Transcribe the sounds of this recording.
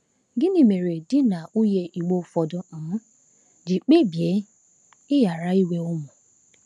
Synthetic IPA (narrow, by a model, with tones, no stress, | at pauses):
ɡɪ˦nĩ˦˨me˨ɾe˨dɪ˦na˨u˦je˧ʔi˨ɡ͡bo˦˨fɔ˨dɔ̃˦˨˦ | d͡ʒi˨k͡pe˦˨bi˨e˨˦ | ɪ˦ja˨ɾa˦i˦we˦o˦mũ˨